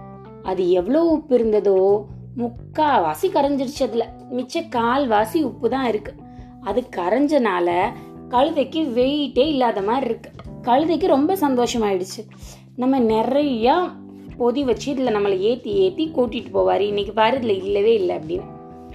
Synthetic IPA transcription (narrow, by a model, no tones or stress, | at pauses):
ɐðɯɛʋːɐɭoːʊpːɪɾɯnd̪ɐðoː | mʊkːaːʋaːsikɐɾɐɲd͡ʒɪɽɯt͡ʃːɯɐðɪlɐ | mɪt͡ʃːɐkaːlʋaːsiʊpːɯt̪ãːɪɾɯkːɯ̥ | ɐðɯkːɐɾɐɲd͡ʒɐnaːlɐ | kɐɻɯðɐkːɯʋɛɻɪʈːeːɪlːaːðɐmaːɾɪɾɯkːɯ̥kɐɻɯðɐɪkːɯɾɔmbɐsɐnd̪oːʂɐmaːɪɽɯt͡ʃːɯ | nɐmːɐnɛrɐjaː | pɔðiʋɐt͡ʃːɯɪðɪlːɐnɐmːɐlɐeːt̪ːieːt̪ːikuːʈːɪʈːɯpoːʋaːɾɯɪnːɪk̬ːɯpaːɾɐðɪlɐɪlːɐʋeːɪlːɐɐpːɐɽinːɯ